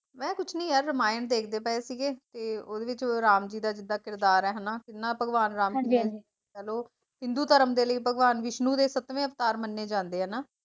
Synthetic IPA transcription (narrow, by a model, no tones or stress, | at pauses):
mɛ̃ːkʊt͡ʃʰnĩːɦɛːɾəmaːjəɳd̪eːkʰd̪eːpɛːesiːɡeːt̪eːoːd̪eːʋɪt͡ʃoːɾaːmd͡ʒiːd̪aːd͡ʒɪd̪aːkɪɾd̪aːɾɛːɦənaːkɪnːãːpəɡʋaːnɾaːmiːe | ɛːloː | ɦɪ̃nd̪uːt̪əɾəmd̪eːləiːpəɡʋaːnʋɪʃnũːd̪eːsət̪ʋẽːəʋt̪aːɾmənːeːd͡ʒãːnd̪eːɦəːnaː